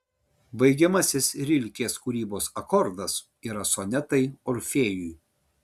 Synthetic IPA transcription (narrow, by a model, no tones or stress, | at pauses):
bɐɪɡʲɛmɐsʲɪsɾʲɪlʲkʲeːskuːɾʲiːboːsɐkɔɾd̪ɐs | iːɾɐsoːnʲɛt̪ɐɪɔɾʲfʲeːjʊj